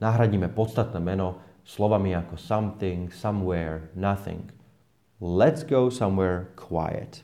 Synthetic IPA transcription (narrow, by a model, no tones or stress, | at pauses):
naɦɾaɟiːmɛpɔt̪st̪at̪nɛːmɛnɔ | slɔʋamiakɔsamθɪ̃ŋsamwɛːɹnaθɪ̰ŋɡ | lɛt̪sɡoʊsamwɛːɹkʰwa̰ɪɛ̰t̪